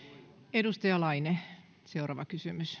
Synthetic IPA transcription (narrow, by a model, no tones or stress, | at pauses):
edust̪ɑjɑlɑine | seurɑːʋɑkysymys